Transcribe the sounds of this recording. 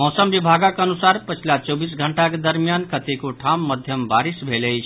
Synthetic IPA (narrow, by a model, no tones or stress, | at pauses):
mɔsəmbibʱaɡakənusaɾpət͡ʃʰilat͡ʃɔbisɡʱəɳʈaked̪əɾmijankət̪ekoʈʰamːəd̪ʱjəmbaɾisbʱeləjt͡ʃʰ